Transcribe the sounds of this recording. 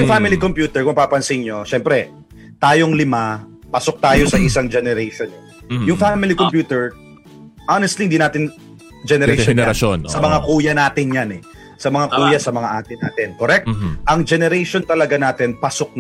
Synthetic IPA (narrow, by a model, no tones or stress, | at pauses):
jʊŋfamɪlikompjuːt̪ɛɹkʊmɐpaːpɐnsɪnɲo̞ʃɛmpɾɛ | t̪aːjo̞ŋlɪma | pɐsok̚t̪aːjo̞sɐʔɪsaŋd͡ʒɛnɛɾɛjʃon | jʊŋfamɪlikompjuːt̪ɛɹ | ʔanɛst̪lihɪnd̪inaːt̪ɪn | d͡ʒɛnɛɾɛjʃononsɐmɐŋakuːjɐnaːt̪ɪnjanɛ | sɐmɐŋakuːjɐsɐmɐŋaʔaːt̪ɪna̰ːt̪ɪnkoɾɛk̚t̪ʔɐŋd͡ʒɛnɛɾɛjʃont̪ɐlɐɡanaːt̪ɪnpɐsok̚